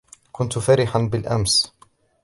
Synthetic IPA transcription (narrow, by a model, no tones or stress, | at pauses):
kʊnt̪ʊfaːɾɪħanbɪlʔa̰ms